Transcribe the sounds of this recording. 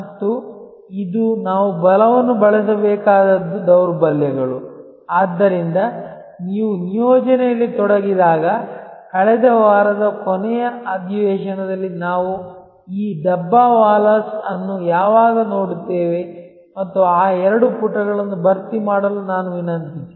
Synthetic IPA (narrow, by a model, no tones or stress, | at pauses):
mɐt̪ːu | id̪unaːʋubɐlɐʋɐnːubɐɭɐsɐbɛːkaːd̪ɐd̪ːud̪ɐwɾbɐljɐɡɐɭu | aːd̪ːɐɾind̪ɐ | niːʋunijoːd͡ʒɐnɛjɐlːit̪ɔɽɐɡid̪aːɡɐkɐɭɛd̪ɐʋaːɾɐd̪ɐkɔnɛjɐɐd̪ʱiʋɛːʃɐnɐd̪ɐlːinaːʋu | iːd̪ɐbːaʋaːlɐsɐnːujaːʋaːɡɐno̞ːɽit̪ːeːʋe̞ | mɐt̪ːuaːɛɾɐɽupuʈːɐɡɐɭɐnːubɐɾt̪imaːɽɐlunaːnuʋinɐnt̪it̪ːe